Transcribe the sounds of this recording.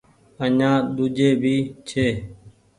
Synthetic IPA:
əɲãːɗ̪ʊd͡ʒeːbʱiːt͡ʃʰeː

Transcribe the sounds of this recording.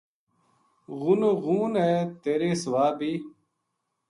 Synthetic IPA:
ɣunoɣũːnɦeːt̪eːɾeːsʋaːbʱiː

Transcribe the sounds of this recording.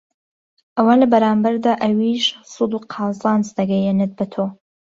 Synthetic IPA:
ʔɐwanlɐbɐɾɑːmbɐɾd̪aʔɐwiʃsud̪uqʰɑːzɑːnzd̪ɐɡɛjenɨt̪̚bɐt̪ʰo

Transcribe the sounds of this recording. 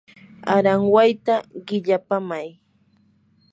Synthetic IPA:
aɾaŋwajt̪aɢɪʎapamaj

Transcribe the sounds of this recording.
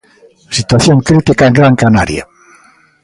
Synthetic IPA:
sit̪waθjoŋkɾit̪ikaeŋɡɾaŋkanaɾja̰

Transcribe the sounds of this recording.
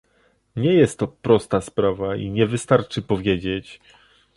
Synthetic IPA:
ɲɛjɛst̪ːɔpɾɔst̪aspɾavaḭɲɛvɘst̪aɾt͡ʂɘpɔvʲjed͡ʑet͡ɕ

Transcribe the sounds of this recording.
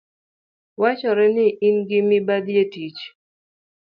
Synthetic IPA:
wat͡ʃɔɾɛnɪʔinɡɪmɪbad̪jetit͡ʃ

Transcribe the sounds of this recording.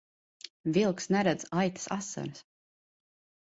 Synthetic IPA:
vilˠksnɛɾɛd̪z̥ajt̪ḁsasːa̰ɾs

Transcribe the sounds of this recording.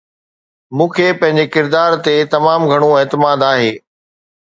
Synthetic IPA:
mũːkʰepɐ̃ɦɪ̃ɲ̆d͡ʑekɪɾd̪aːɾt̪et̪ɐmaːmɡʱɐɽ̃oeːt̪ɪmaːd̪aːɦeː

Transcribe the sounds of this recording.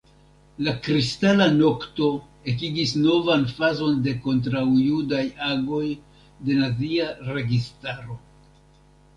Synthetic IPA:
lakɾistalano̞kto̞ | e̞k̬iɡisno̞vanfazo̞nde̞ko̞nt̬ɾawjudajaɡo̞j | de̞naziaɾe̞ɡistaɾo̞

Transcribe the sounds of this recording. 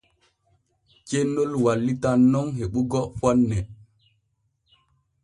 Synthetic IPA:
t͡ʃenːolwalːitanːɔŋɦeɓuɡɔfɔnːɛ

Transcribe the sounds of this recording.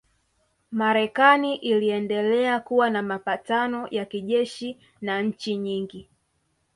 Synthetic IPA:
maɾɛkaniʔiliɛndɛlɛakuwanamapatanɔjakiʄɛʃi | naɲ̩t͡ʃiɲiŋɡi

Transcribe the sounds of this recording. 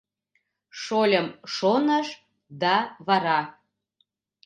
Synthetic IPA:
ʃolʲəmʃonəʃ | d̪ɑβɑɾɑ

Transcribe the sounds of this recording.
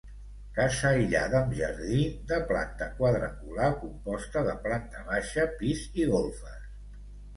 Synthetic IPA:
kasaiʎa̰ðəːmʒə̰ɾðid̪əpla̰nt̪əkwaðɾə̰kulakumpɔst̪əðəplant̪əβaʃəpiziɣolˠfəs

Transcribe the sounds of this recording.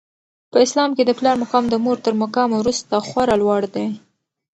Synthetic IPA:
pəɪslɑmked̪əplɑɾmakɑmd̪əmoɾt̪əɾmakɑmwɾust̪axwaɾalwɑɽd̪e

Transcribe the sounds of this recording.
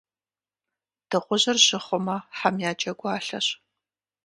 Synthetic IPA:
d̥ɨqʷʊʑɐrʑɪχʷʊmɐħamjaːt͡ʃʼɐɡʷaːɬɐ̰ɕ

